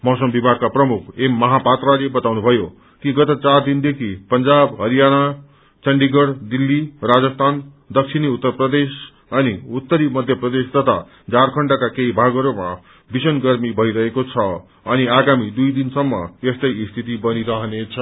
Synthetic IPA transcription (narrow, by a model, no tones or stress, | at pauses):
mʌsʌmbibʱaɡkaprʌmukʰemːʌɦapat̪ralebʌt̪awnubʱʌjo | kiɡʌt̪ʌt͡sard̪ind̪ekʰipʌnd͡zabɦʌɾijana | t͡sʌɳɖiɡʌɽd̪ilːirad͡zʌst̪ʰan | d̪ʌk̚t͡sʰiniut̪ːʌrprʌd̪es | ʌniut̪ːʌɾimʌd̪ʱjʌprʌd̪esd̪ʌt̪ʰa̰ | d͡zarkʰʌɳɖakakeibʱaɡʌɾoma̰ | bisʌnɡʌrmibʱʌiɾʌɦekot͡sʰʌ | ʌniaɡamid̪ujd̪insʌmːʌ̰est̪ʌjst̪ʰit̪ibʌniɾʌɦʌnet͡sʰʌ